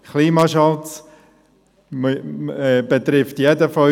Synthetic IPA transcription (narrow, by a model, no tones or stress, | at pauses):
kliːmɑʃɑlt͡s | mɛbet̪ɾɪftjɛdəfɔ